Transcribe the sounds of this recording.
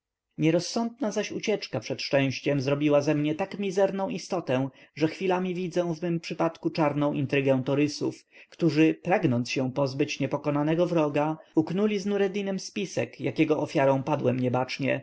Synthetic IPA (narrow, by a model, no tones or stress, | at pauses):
ɲɛɾɔsːɔnd̪̚nazaɕut͡ɕɛt͡ʂkapʂɛt̪ʂɛ̃w̃ɕt͡ɕɛmzɾɔbʲiwazɛmɲɛt̪akmʲizɛɾnɔ̃w̃ist̪ɔt̪ɛ̃ʐɛxfʲilamʲivʲid̪zɛ̃vmɘmpʂɘpat̪kut͡ʂaɾnɔ̃w̃ʔint̪ɾɘɡɛ̃w̃t̪ɔɾɘsṵfkt̪uʐɘpɾaɡnɔnt̪sɕɛ̃pɔzbɘt͡ɕɲɛpɔkɔnanɛɡɔvɾɔɡauknulʲiznuɾɛd̪inɘmspʲisɛ̰kjakʲɛɡɔʔɔfʲjaɾɔ̃w̃pad̪wɛmɲɛbat͡ʂɲɛ̰